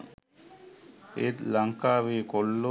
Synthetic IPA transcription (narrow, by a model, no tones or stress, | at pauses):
etlaŋkaβekolːo